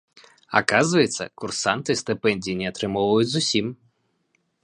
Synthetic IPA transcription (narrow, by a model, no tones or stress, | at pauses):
a̰kazvɐjɛt̪sːɐ̰kursant̪ɨst̪ɨpɛnʲdʲijinʲɛat̪ɾɨmɔwvɐjut͡sʲzusʲim